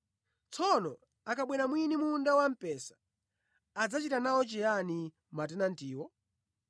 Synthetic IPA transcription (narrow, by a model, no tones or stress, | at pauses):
t͡sʰɔnɔ | akaɓwɛnamwinimundawam̩pɛsḁ | ad͡zat͡ʃitanaɔt͡ʃɛjani | matɛnantiːwɔ